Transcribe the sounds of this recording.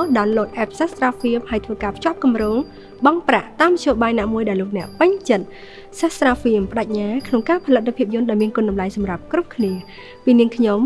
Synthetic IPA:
ɗaɔnloːt̪̚ʔɛːp̚sahsraːfiəmhaəjt̪ʰʋəːkaːpʰt͡ɕŏəp̚kumroːŋ | ɓɑŋpraʔt̪aːmːət̪ʰɕjoːɓaːjnaːmuəjɗaɛlːoːk̚nɛ̆əʔpɨɲt͡ɕət̪̚ | sahsraːfiəmpə̆ɗac̚ɲaːkʰnoŋkaːpʰələt̪̚ːpʰiəp̚jʊənɗaɔlmiənkʊ̆ənɗɑmlajsɑmrap̚krup̚kʰniə | piːniəŋkʰɲom

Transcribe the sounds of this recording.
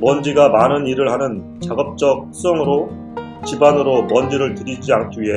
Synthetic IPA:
mʌnd͡ʑiɡamanɯniɾɯɭhanɯn | t͡ɕaɡʌp̚t͡ɕ͈ʌk̚s͈ʌŋɯɾo | t͡ɕibanɯɾomʌnd͡ʑiɾɯɭtɯɾid͡ʑiankʰiɥiɦe

